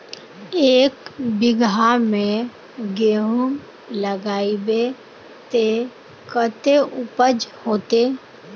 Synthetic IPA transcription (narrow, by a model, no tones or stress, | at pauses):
eːkbɪɡamẽ | ɡeːɦum | ləɡaːibe | t̪e | kət̪eʔʊpəd͡ʒhoːt̪e